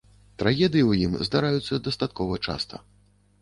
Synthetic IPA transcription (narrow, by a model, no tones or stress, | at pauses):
t̪ɾaɣʲɛd̪ɨjiwjimzd̪aɾajut̪sːɐd̪ɐst̪at̪kɔvɐt͡ʂa̰st̪ɐ̰